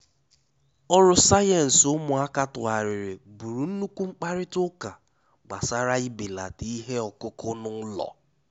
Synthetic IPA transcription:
ɔ˦ɾʊ˦sa˦jɛ˨n̩˨sʊ˦mʊ˨a˦ka˦tʊ˨a˨ɾɪ˨ɾɪ˨bu˨ɾu˨n̩˦nu˦kʷu˦ŋ͡m̩˦k͡pa˦ɾɪ˦tʊ˦ka˨ | ɡ͡ba˨sa˦ɾa˦i˦be˨la̰˨ti˦ɦe˦ɔ˨kʊ˦kʊ˦nʊ˦lɔ̰˨

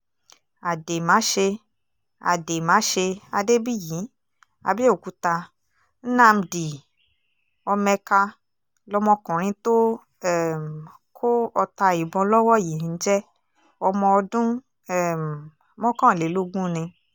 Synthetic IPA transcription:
a˨de˨mãː˨˦ʃe˧ | a̰˨de˨mãː˨˦ʃe˧a˧de˦bi˦˨ji˨˦ | a̰˧bi˦o˦˨ku˨˧˦ta˧ | n̩˦nã˦˨m̩˧di˨ | ɔ˧mɛ̃˧ka˧ | lɔ˧mɔ̃˧kũ˨ɾ̃ĩ˧to˦ | ɛ˦˨m˨ | kʰo˦ɔ˧ta˧i˨bɔ̃˧lɔ˦wɔ˦˨ji˨n̩˦d͡ʒɛ˦ | ɔ˧mɔ̃˧ɔ˧dũ˦ | ɛ˦˨m˨ | mɔ̃˦kã˦˨le˨˦lo˦ɡũ˦nĩ˧

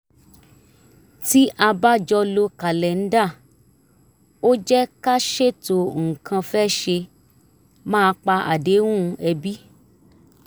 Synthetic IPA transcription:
ti˦ʔa˧ba˦d͡ʒɔ˧lo˧ka˨lɛ˨n̩˦da˦˨ | o˦d͡ʒɛ˦ka˦ʃe˦˨to˨ŋ̩˨kʰã˧fɛ˦ʃe˧ | mãː˦˧˦k͡pa˧ʔa̰˨de˨˦wũ˦˨˧ɛ˧bi˦

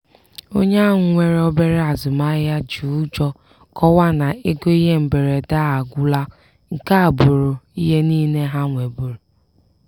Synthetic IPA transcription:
o̰˦ɲa˦ŋʊ˨ŋʷe˨ɾe˦ɔ˦be˦ɾe˦a˨zʊ˨ma˦ja˦d͡ʒu˨˦d͡ʒɔ˦ | kɔ˦wa˦na˨e˦ɡo˦i˦ɦe˦m̩˨be˨ɾe˨da˦a˨ɡʷʊ˦la˦ | ŋ̩˨ka˦a˨bʊ˨ɾʊ˨i˦ɦe˦niː˦ne˦ɦa˦ŋʷe˨bu˨ɾʊ˨

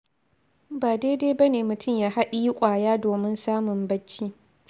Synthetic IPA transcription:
baː˨deː˦de˦bɐ˦neː˨mʊ˨tʰʊ˦˨mjaː˦ha˦ɗi˦ji˦kʷʼaː˨jaː˦doː˨mɪ˦nsaː˦mʊ˨mbɐ˦t͡ʃːiː˦

